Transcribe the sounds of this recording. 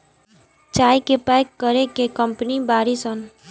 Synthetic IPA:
t͡ʃajkepajkːəɾekekəmpnibaɾisən

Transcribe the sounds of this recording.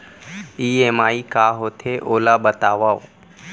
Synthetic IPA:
iːemaːikaːɦot̪ʰeʔoːlabət̪aːʋaʋ

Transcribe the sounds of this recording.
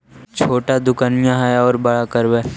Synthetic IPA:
t͡ʃʰoːʈad̪ʊkaːnɪjãɦɛɔːɾbɐɭakəɾbɛː

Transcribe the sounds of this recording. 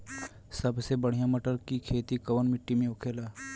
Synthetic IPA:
sɐbsebəɽ̤ijãməʈəɾkikʰeːt̪ikɐʋənmɪʈːimẽʊkʰeːlaː

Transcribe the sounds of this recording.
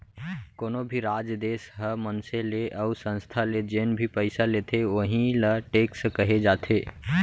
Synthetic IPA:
koːnobʱiɾad͡ʒd̪eːsɦəmənseleʔəusə̃nst̪ʰaled͡ʒenbʱipəɪsalet̪ʰeʋəɦĩləʈeːkskəɦed͡ʒaːt̪ʰeː

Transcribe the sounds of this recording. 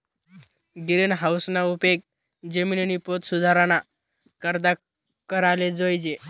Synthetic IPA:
ɡiɾenɦawsnaupek̚ | d͡ʑeminenipot̪sud̪ʱaɾana | kəɾd̪a | kəɾaled͡zojd͡ʑe

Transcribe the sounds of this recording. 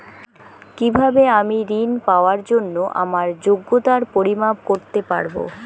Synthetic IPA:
kibʱabeamiɾinpaoaɾd͡ʑonːoʔa̰maɾd͡ʑoɡːot̪aɾpoɾimabkoɾt̪epa̰ɾbo̰

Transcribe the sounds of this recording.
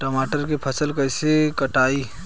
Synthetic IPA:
ʈɔmaʈəɾkepʰəsəlkəjsekəʈai

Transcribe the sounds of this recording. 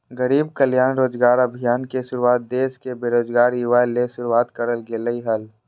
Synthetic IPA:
ɡəɾiːbkəljaːnɾoːd͡ʒɡaːɾəbʱijaːnkeʃʊɾuaːt̪̚d̪eːskebeːɾoːd͡ʒɡaːɾjʊʋaːleʃʊɾuaːt̪kəɾəlɡeləiɦɐl

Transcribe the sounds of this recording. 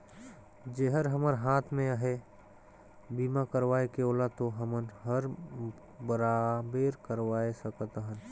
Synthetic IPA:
d͡ʒeɦəɾɦəməɾɦaːt̪ʰmẽaɦe | biːmakəɾʋaːekeoːlat̪oɦəmənɦəɾ | bəɾabeːɾkəɾʋaːesəkət̪əɦən

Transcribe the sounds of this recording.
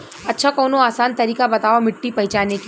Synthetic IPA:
ɐtːʃʰakɔːnoaːsaːnt̪ɐɾiːkabɐt̪aːʋamɪʈːipɐɦɪt͡ʃaːnek

